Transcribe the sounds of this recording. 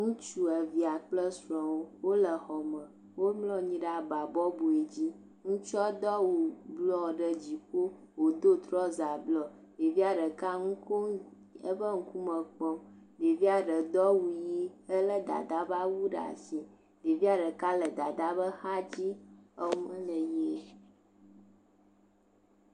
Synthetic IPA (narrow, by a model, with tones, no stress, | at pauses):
ŋũ˦t͡ʃu˦ə˨vi˨a˨k͡plə˦sɾɔ̃˨wo˦wo˦lə˨xɔ˨mə̃˨ | wo˦mlɔ̃˦ɲĩ˦ɖa˨ba˨bɔ˦bo˨e˨d͡ʑi˦ | ŋũ˦t͡ʃɔ˦d̪ɔ˦wu˨blɔ˦ɖə˦d͡ʑi˨ko˦ | wo˨d̪o˦t̪ɾɔ˦za˨blɔ˨ | ɖe˨vi˦a˨ɖə˨ka˦ŋũ˦ko˦ | ə˦ɸə˦ŋ̩˨˦ku˦mə̃˨k͡pɔ˦d̪e˨vi˦a˨ɖə˨d̪ɔ˦wu˨ji˦ə˦lə˦d̪a̰˨d̪a˦ba˦wu˦ɖa̰˨si˨ | d̪e˨vi˦a˦ɖə˨ka˦lə˨d̪a˨d̪a˦bə˦xa˦d͡ʑi˦ə˦mə̃˦lə˨je˦